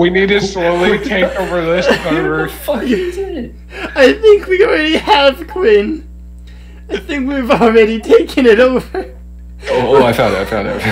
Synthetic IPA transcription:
winid̚tɨsloʊlˠitʰeɪkoʊvə˞ðɪsawə˞f | aɪθɪ̃ŋkʰwil̩ˠɹɛɾiəv̥kʰw̥ĩn | aɪθɪ̃ŋkwivl̩ˠɹɛɾitʰeɪkʰɨ̃nɨɾoʊvə˞ | oʊoaɪfãʊ̃ndɨtaɪfãʊnda̰t

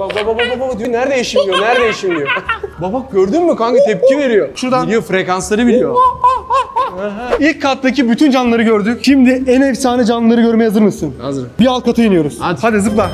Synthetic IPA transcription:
babababababad̪ionæɾd̪ejiʃimlʲijonæɾd̪ejiʃimlʲijobabaɟøɾd̪ynːykaɲkit̪ʰɛp̚cʰive̞ɾijoʃuɾd̪ajɯfɾekanslˠaɾɯbilʲijo | ɦilʲc̚ʰːat̪d̪acibyt̪ʰynd͡ʒanlˠaɾɯɟøɾd̪ycʲʃimd̪ɪɛnɛfsaːnɛd͡ʒanɯlˠaɾɯɟø̞ɾmejhazɯɾmɯsɯnazɯɾbialˠkʰat̪ʰajɯnɯjo̞ɾuz̥had̪is̬ɯplˠa

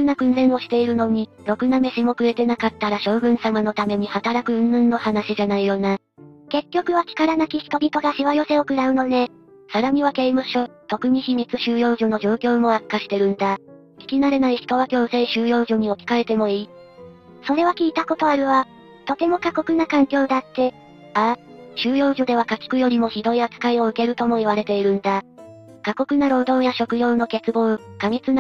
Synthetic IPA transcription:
kɯ̟nakɯ̟̃nzẽ̞ɰ̃o̞ɕi̥t̪e̞iɾɯ̟no̞ɲ̟iɾo̞kɯ̟name̞ɕimo̞kɯ̟ɾe̞t̪e̞nakat̪ːaɾaɕo̞ːɡɯ̟̃ɰ̃samano̞t̪ame̞ɲ̟ihat̪aɾakɯ̟ɯ̟̃nːɯ̃nːo̞hanaɕiʑanaijo̞na | ke̞kʲːo̞kɯ̟βakʲi̥kaɾanakʲiçi̥t̪o̞bʲit̪o̞ɡaɕiβajo̞se̞o̞kɯ̟ɾaɯ̟no̞ne̞ | saɾaɲ̟iβake̞imaɕot̪o̞kɯ̟ɲ̟içimʲit͡sɨɕɨːjo̞ːʑono̞ʑo̞ːkʲo̞ːmo̞akkːaɕi̥t̪e̞ɾɯ̟̃nd̪a | kʲi̥kʲinaɾe̞naiçi̥t̪o̞β̞akʲo̞ːseiɕɨːjo̞ːʑo̞ɲ̟io̞kʲi̥kae̞t̪e̞mo̞iː | so̞ɾe̞βakʲiːt̪ako̞t̪o̞aɾɯ̟βa | t̪o̞t̪e̞mo̞kako̞kɯ̟nakãŋkʲo̞ːd̪at̪ːe̞ | aɕɨːjo̞ːʑo̞d̪e̞βakakʲi̥kɯ̟jo̞ɾʲimo̞çid̪o̞iat͡sɨ̥kaio̞ɯ̟ke̞ɾɯ̟t̪o̞mo̞iβaɾe̞t̪e̞iɾɯ̟̃nd̪a | kako̞kɯ̟naɾo̞ːd̪õ̞ɰjaɕo̞kɯ̟jo̞ːno̞ke̞t͡sɨbõ̞ɰkamʲit͡sɨn

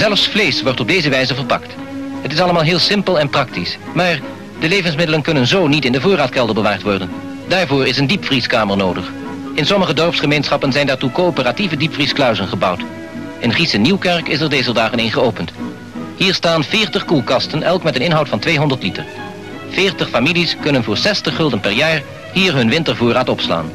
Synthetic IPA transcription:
zɛlˠfsflejsʋɔɹtɔb̚dejzəʋɛjzəvərpɑ̰kt | ɦətɪsɑləmaːlˠɦɪːlˠsɪmpəlˠɛnprɑktis | maːɹ | dəlejvənsmɪdələnkɵnənzoːnitɪndəvʊːraːtkɛlˠdəbəʋaːɹtʋɔɹdən | daːɹvʊːɹɪsəndipfriskaːməɹnowdəχ | ɪnsɔməχədɔɹpsχəmejnsχɑpənzɛjndaːɹtukoːopərativədipfrisklœwzənχəbɑwt | ɪnχisəniwkɛɹkɪsɛɹdejzəɹdaːχənɪnχəowpənt | hiːɹstaːnvɪːɹtəχkulˠkɑstənʔɛlˠkmɛtənɪnɦɑwtfɑntʋejɦɔndəɹtlitə̰ɹ | vɪːɹtəχfamiliskɵnənvʊːɹsɛstəχːɵlˠdənpɛɹjaːɹ | ɦiːɹɦɵnʋɪntəɹvʊːraːtɔpsla̰ːn

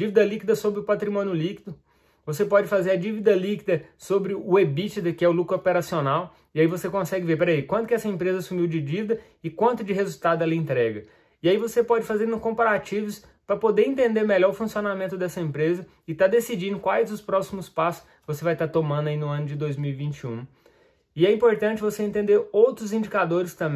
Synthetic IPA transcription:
d͡ʒivid̪ɐlikid̪ɐsobɾɪʊpat̪ɾimõnɪʊlikid̪ʊ | vosepɔd͡ʒɪfazeɾɐd͡ʒivid̪ɐlikid̪ɐsobɾɪʊebit͡ʃɪd̪ɐkɪɛʊlukɾʊopeɾasionaw | ɪaivosekõsɛɡɪveɾpɛɾɐikwɐ̃nt̪ʊkɪɛsɐẽmpɾezɐsumiwd͡ʒɪd͡ʒivid̪ɐ | ɪkwɐ̃nt̪ʊd͡ʒɪɦezut̪ad̪ʊɛlɐẽnt̪ɾɛɡɐ | ɪaivosepɔd͡ʒɪfazeɾnʊ̃kõpaɾat͡ʃivʊs | pɾɐpod̪eɾẽnt̪ẽnd̪eɾmeʎɔɾʊfũsionamẽnt̪ʊd̪ɛsɐẽmpɾezɐ | ɪt̪ad̪esid͡ʒĩnd̪ʊkwajzʊspɾɔsimʊspasʊ̥s | vosevajt̪at̪omɐ̃nd̪ʊɐinʊɐ̃nʊd͡ʒɪd̪ojzmiwivĩnt͡ʃiṵ̃ | ɪɛĩpoɾt̪ɐ̃nt͡ʃɪvoseẽnt̪ẽnd̪eɾowt̪ɾʊzĩd͡ʒikad̪oɾɪst̪ɐ̃

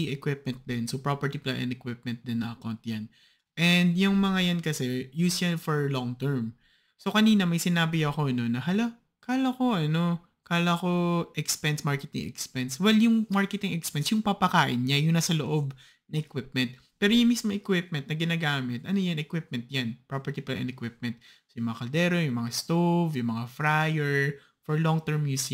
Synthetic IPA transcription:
iʔɛkwɪp̚mɛ̃nt̪̚d̪ɛnsopɹopɛɹt̪iplanʔɛ̰nd̪ɛkwɪp̚mɛnt̪̚d̪ɛnːɐʔɐkawnt̪̚jan | ʔɛnd̪jʊŋmɐŋajankɐsɛjuːsjɐnfɔɹlɔŋt̪ɛɹm | sokɐniːnɐmɐjsɪnaːbɪɐko̞ɐno̞nɐɦɐla | kaːlɐko̞ʔɐno̞ | kaːlɐko̞ʔɛkspɛnsmaɹkɛt̪ɪ̰ŋʔɛ̰kspɛnswɛljʊŋmaɹkɛt̪ɪŋʔɛkspɛnsjʊŋpɐpɐkaːʔɪnɲajʊnɐsɐloʔo̞b | nɐʔɛkwɪp̚mɛnt̪̚ | pɛːɾojʊŋmismoŋɛkwɪp̚mɛnt̪̚nɐɡɪnaːɡaːmɪt̪ʔɐnojɐnɛkwɪp̚mɛ̃nt̪̚janpɹopɛɹt̪ipɐla̰ʔɐ̰nɛkwɪp̚mɛnt̪ | sjʊŋmɐŋakɐld̪ɛːɾojʊŋmɐŋast̪ofjʊŋmɐŋafɾajɛɹ | fɔɹloŋt̪ɛɹmjusɪ

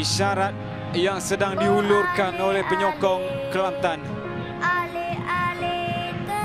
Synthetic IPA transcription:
iʃaɾat̪̚ | jaŋsədaŋdiɦulʊrkanolɛhpəɲɔkɔŋkəlant̪an

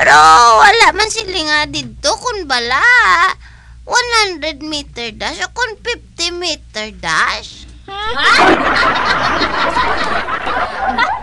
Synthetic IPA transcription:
ppɛɾowalaʔmansɪlɪŋad̪ɪd̪̚t̪okʊnbalaʔ | wanhand̪ɾɛd̪̚mit̪ɛɹd̪aʃokʊnfif̚t̪ɪmit̪ɛɹd̪aʃ

